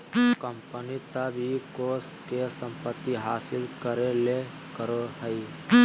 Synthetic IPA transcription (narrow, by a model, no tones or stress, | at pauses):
kəmpənit̪abʱikoːskesə̃mpət̪ːiɦaːsɪlkəɾele | kəɾoɦəj